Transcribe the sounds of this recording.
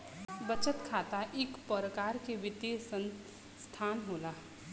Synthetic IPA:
bət͡ʃət̪kʰaːt̪aʔɪkpəɾəkaːɾkeʋɪt̪esə̃n | st̪ʰaːnɦoːlaː

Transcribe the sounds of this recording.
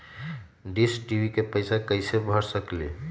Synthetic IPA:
ɖisʈiʋikepəɪsakəɪsebʱəɾsəkle

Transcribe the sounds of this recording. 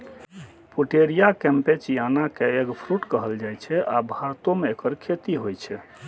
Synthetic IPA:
puʈeɾijakɛmpet͡ʃijanakeeɡpʰɾuʈkəɦəld͡ʒajt͡ʃʰɛabʱaɾt̪omeekəɾkʰet̪iɦojt͡ʃʰɛ

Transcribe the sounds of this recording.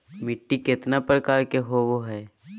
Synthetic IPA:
mɪʈːikɪt̪napɾəkaːɾkeɦoʋoɦɛː

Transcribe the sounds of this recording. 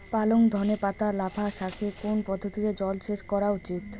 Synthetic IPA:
paloŋd̪ʱɔnepat̪alabʰʱaʃakʰekonpɔd̪ʱːot̪iked͡ʑɔlʃeʃkɔɾaut͡ɕit̪

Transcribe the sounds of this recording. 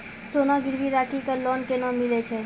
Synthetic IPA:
soːnaɡɪɾʋiɾaːʈʰikalɔːnkenamɪlet͡ʃʰɛ

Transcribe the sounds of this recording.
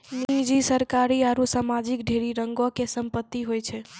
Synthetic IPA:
nid͡ʒisəɾkaɾiaɾusamad͡ʒikɖʱeɾiɾəŋɡokesəmpət̪ːiɦojt͡ʃʰɛ

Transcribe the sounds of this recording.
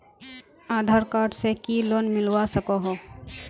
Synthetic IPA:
aːd̪ʱaːɾkaːɾɖsekiloːnmɪlwasəkoɦo

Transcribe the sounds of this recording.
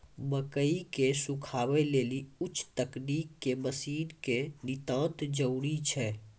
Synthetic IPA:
məkəikesũkʰabɛleliʊt͡ʃʰːt̪əknikːeməsiːnkenit̪ə̃t̪d͡ʒəwɽit͡ʃʰɛ

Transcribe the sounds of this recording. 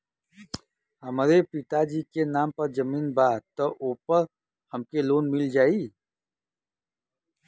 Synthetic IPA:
hɐmɾepɪt̪ad͡ʒiːkenaːmpɐɾd͡ʒəmiːnbaːt̪ɔʔoːpəɾ | hɐmkeloːnmɪld͡ʒaːiː

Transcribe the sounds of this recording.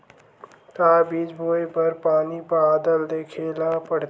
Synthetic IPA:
k̪aːbiːd͡ʒbʱoːjpɐɾpaːnipaːd̪əld̪eːkʰeːlapəɽ

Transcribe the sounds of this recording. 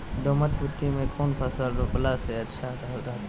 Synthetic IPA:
d̪oːmət̪̚bʊt̪ːimẽkʰoːnpʰɐsəld̪oplaseɐtːʃʰat̪ʰaɦot̪aː

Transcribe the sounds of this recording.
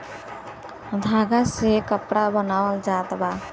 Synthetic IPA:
d̪ʱaɡasekəpɽabənawəld͡ʒat̪ba

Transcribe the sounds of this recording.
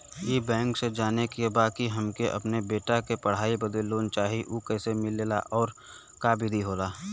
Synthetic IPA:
iːbɛ̃ːŋksed͡ʒaːnekebaːkiɦɐmkeʔɐ̰pnebeːʈakepɐɽ̤aːibəd̪əlːoːnt͡ʃaːɦiʔuːkɛːsemɪlːeːla̰ʔɔːɾ | kaːbɪd̪ʱiɦoːlaː

